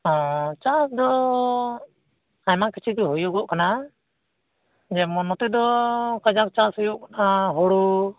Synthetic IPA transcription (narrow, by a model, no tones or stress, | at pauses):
ɔt͡ʃasd̪ɔ | ajmakit͡ʃʰikɛɦɔjuɡɔʔkana | d͡ʒɛmɔnɔt̪ɛd̪ɔkad͡ʒak̚t͡ʃasɔjuʔkanaɦɔɽu